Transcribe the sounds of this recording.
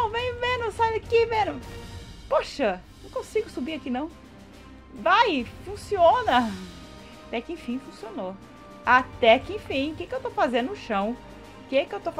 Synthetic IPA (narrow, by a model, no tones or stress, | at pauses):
nɐ̃w̃vẽj̃mẽnʊsajakɪmẽnʊpoʃɐnɐ̃w̃kõsiɡʊsubiakinɐ̃w̃ | vajfũsiõnɐ | at̪ɛkɪẽj̃fĩfũsiono | at̪ɛkɪẽj̃fĩj̃kekɪewt̪owfazẽnd̪ʊʊʃɐ̃w̃ | kekɪewt̪of